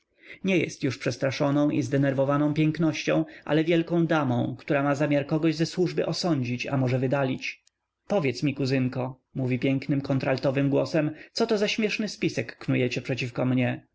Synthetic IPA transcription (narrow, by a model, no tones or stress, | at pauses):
ɲɛjɛ̰st̪juʂpʂɛst̪ɾaʂɔnɔ̃w̃ʔizd̪ɛnɛɾvɔvanɔ̃w̃pʲjɛŋknɔɕt͡ɕɔ̃w̃ʔa̰lɛvʲjɛlkɔ̃w̃d̪amɔ̃w̃kt̪uɾamazamʲjaɾkɔɡɔʑzɛswuʐbɘʔɔsɔɲd͡ʑit͡ɕa̰mɔʐɛvɘd̪alʲit͡ɕ | pɔvʲjɛt̪smʲikuzɘŋkɔ | muvʲipʲjɛŋknɘmkɔnt̪ɾalt̪ɔvɘmɡwɔsɛmt̪sɔt̪ɔzaɕmʲjɛʂnɘspʲisɛkːnujɛt͡ɕɛpʂɛt͡ɕifkɔmɲɛ